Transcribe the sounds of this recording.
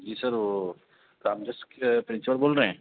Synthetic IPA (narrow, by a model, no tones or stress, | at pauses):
d͡ʒiːsəɾo | kɾaːmd͡ʒəskpɾɪ̃nswəɾboːlɾɐɦɛ̃ː